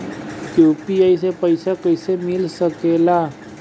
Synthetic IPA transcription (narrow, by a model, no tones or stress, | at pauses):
kjuːpiaːisepəɪsakəɪsemɪlsəkeːla